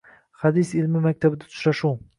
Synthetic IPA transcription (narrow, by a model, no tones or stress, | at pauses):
had̪isɪlmɪmak̚ʲt̪ʰabɪd̪at̪ʰʊ̥ʃɾaʃu